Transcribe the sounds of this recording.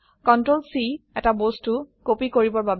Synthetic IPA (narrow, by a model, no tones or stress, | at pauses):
kɔntɹolsiɛtabostukopikoɹibɔɹbab